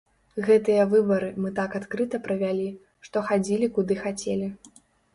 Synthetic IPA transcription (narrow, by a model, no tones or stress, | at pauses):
ɣɛt̪ɨjɐvɨbɐɾɨmɨt̪akat̪kɾɨt̪ɐpɾɐvʲalʲi | ʂt̪ɔxad͡zʲilʲikud̪ɨxat͡sʲelʲi